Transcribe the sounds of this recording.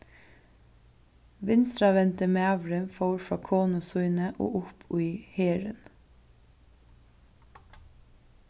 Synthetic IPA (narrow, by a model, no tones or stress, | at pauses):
ʋɪnst̪ɾɑʋɛnt̪əmeːɑʋɹənfoʊɾfɹɑːkʰoːnʊsʉʏnəʔo̰ːʔʊpʰʉɪheːɹə̰n